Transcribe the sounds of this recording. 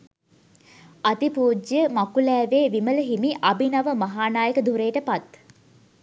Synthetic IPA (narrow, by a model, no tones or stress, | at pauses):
at̪ipuːd͡ʒjəmakulɛːʋeːʋimələɦimiʔabinaʋəmaɦaːnaːjəkəd̪ʱuɾeːʈəpat̪